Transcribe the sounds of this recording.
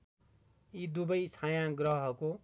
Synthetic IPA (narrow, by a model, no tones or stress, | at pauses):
id̪ubʌjt͡sʰãjãɡrʌɦʌko